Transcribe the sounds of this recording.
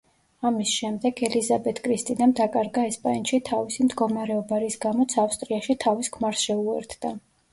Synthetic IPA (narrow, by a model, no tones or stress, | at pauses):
amisʃɛmd̪ɛɡɛlizabɛt̪ʰkʼɾist̪ʼid̪amd̪akʼaɾɡaɛspʼanʃit̪ʰavisimd̪ɡɔmaɾɛɔbaɾisɡamɔt̪sʰafst̪ʼɾiaʃit̪ʰaviskʰmaɾsʃɛuɛ̰ɾt̪ʰd̪̥a